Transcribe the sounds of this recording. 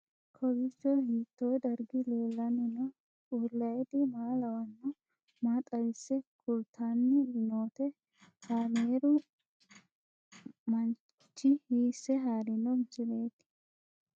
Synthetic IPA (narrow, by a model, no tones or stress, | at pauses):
kʰɔɡɪt͡ʃːɔhiːt̪ːoːd̪ɐɾɡɪle̞ːlːɐnɪnɔ | uːlːɐjɛd̪ɪmaːlɐwɐnːʊ | mat̪ʼɐjɪsːɛkʰʊlt̪ʰːanːɪnoːt̪ɛ | kaːmeːɾʊ | mɐn | t͡ʃːɪhiːsːɛɦaːɾɪnɔmsɪmeːd̪ɪ̥